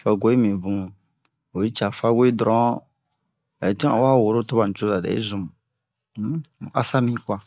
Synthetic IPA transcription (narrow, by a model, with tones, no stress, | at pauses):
fa˨ɡo˦i˦mĩ˨bũ˦˨ | o˨ji˦t͡ʃa˨fa˦we˦i˦dɾɔ̃˨˦ | ɛ˨ta˨wa˦˨wo˨ɾo˦to˦ba˨n̩˨t͡ʃo˦da˨dɛ̰˨ḭ˦zũ˨mu˨˦˨ | a˦sa˦mĩ˦kwa˨